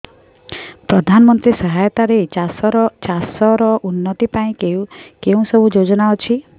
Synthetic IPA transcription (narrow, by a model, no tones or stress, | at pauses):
pɾɔd̪ʱanɔmɔnt̪ɾisɔɦajt̪aɾesɔɾt͡ʃasɔɾɔʔunːɔt̪ipaĩkeũkeũsɔbʱud͡ʒod͡ʒɔnaɔt͡ʃʰi